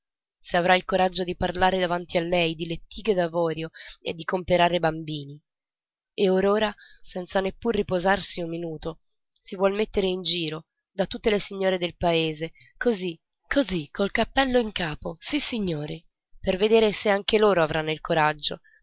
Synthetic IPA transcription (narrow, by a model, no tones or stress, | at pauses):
seavɾailkoɾad͡ʒːod̪iparlaːɾed̪avant̪ialːɛjd̪ilet̪ːiːɡed̪avɔːɾjoḛd̪ːikompeɾaːɾebambiːni | eoɾoːɾasɛnt̪sanepːurːipozarsiummːinuːt̪o | sivwɔlmet̪ːeɾeind͡ʒiːɾo | d̪at̪ːut̪ːelesiɲːoːɾed̪elpaeːze | kozi | kʰozikːolkapːɛlːoiŋkaːposisːiɲːoːɾi | perved̪eːɾeseaŋk̟eloːɾoavɾʔanːoilkoɾad͡ʒːo̰